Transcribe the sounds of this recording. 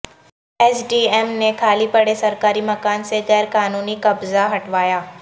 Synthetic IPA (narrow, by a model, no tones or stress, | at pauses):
ɛːsɖiːeːmnekʰaːlipɐɽesɐɾkaːɾimɐkaːnseɣɛːɾkaːnuːnikɐbzaɦɐʈʰʋaːjaː